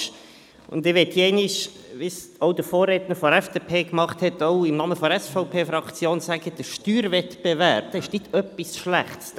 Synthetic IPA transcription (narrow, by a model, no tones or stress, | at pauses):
ʃ | ʊ̰nd̪ɪʋɛt̪hiɛɪnɪʃ | ʋisoʊd̪əfoːrːetnəɾfɔɾɛfd̥epʰeːkmɑχthɛtɔʊɪmnɑːməfɔdɾɛsfɔʊpʰeːfɾɑkt͡sjoːnsæɡ̥əd̥əʃtyːɾvɛtb̥evæɾb̚d̥ɛɪʃnɪtʰœpːisʃlæ̰χts